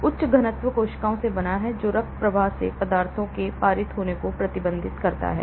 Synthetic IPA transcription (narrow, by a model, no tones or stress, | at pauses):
ʊtːʃɡʱɐnət̪ʋəkoːʃkaːõsebɐnaɦɛd͡ʒoːɾɐk̪̚pɾɐʋaːɦsḛpɐd̪aːɾt̪ʰõkepaːɾɪt̪ɦoːnekopɾɐt̪ɪbə̃nd̪ʱɪt̪kɐɾt̪a̰ɦɛ̰ː